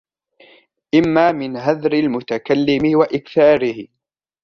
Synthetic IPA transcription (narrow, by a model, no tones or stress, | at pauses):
ʔɪmːaːmɪnɦaðɾɪlmʊt̪akalːɪmɪwaʔɪkθaːɾɪh